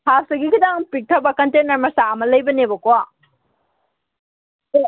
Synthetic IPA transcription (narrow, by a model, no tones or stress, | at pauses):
hasɐɡikʰudaŋpik̚tʰɐbɐkɐntenɐɾmɐsaɐmɐlɐjbɐnebɐkoa